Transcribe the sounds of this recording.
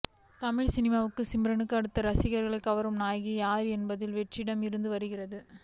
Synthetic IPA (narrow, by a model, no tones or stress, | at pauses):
t̪ɐmɪɻsɪnɪmaːʋɯkːɯsɪmbɾɐɳɯkːɯɐɽɯt̪ːɐɾɐsɪɣɐɾɣɐɭɐkːɐʋɐɾɯmnaːjɣijaːɾɛnbɐðɪlʋɛʈrɪɽɐmɪɾɯnd̪ɯʋɐɾɯɣɪrɐðɯ